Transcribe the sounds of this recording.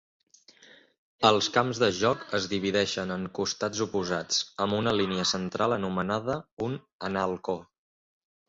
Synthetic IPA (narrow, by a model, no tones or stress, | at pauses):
əlˠskamzðəʒɔkəzðiβ̞iðɛʃənəŋkust̪ad͡zupuzat͡səmbunəliniəsənt̪ɾʔalˠənumənaðəun | ənalˠko